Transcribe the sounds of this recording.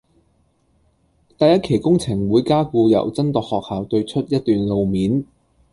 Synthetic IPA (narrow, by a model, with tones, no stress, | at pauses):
t̪ɐ˨˧jɐ˥t̚kʰe˨˩jkʊ˥ŋt͡sʰɪ˨˩ŋwuː˨˧jkaː˥kuː˧jɐ̰˨˩wt͡sɐ˥nt̪ɔː˨khɔː˨k̚haː˨wt̪ɵ˧ɥt͡ʃʰɵ˥t̚jɐ˥t̚t̪yː˨nlo˨wmiː˨˥n